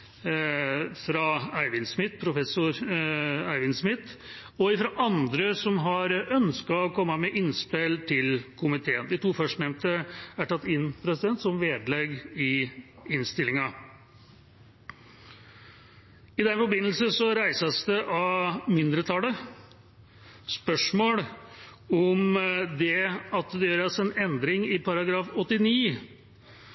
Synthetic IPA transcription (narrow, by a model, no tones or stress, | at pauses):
fɾɑæɪʋɪnsmɪt̪ːpʰɾʊfɛsʊɾ | æɪʋɪnsmɪt̪ː | ɔɪfɾɑʔɑnd̪ɾəsɔmɦɑɾœnskɑɔkʰɔmːɑmɛʔɪnspɛlt̪ʰɪlkʰʊmɪt̪ʰeːənd̪ɪt̪ʰuːfœʂnɛmt̪əæʈɑt̪ːɪnːpʰɾɛsɪd̪ɛnt̪sɔmʋeːd̪lɛɡɪɪnst̪ɪlːɪŋɑ | ɪd̪ɛnfɔɾbɪnːl̩səsɔɾæɪsəsd̪ɛʔɑmɪnd̪ɾət̪ʰɑlə | spœʂmoːl | ɔmd̪ɛɑt̪d̪ɛjøːɾɑsɛnɛnd̪ɾɪŋɪpʰɑɾɑɡɾɑːfɔt̪ːɪniː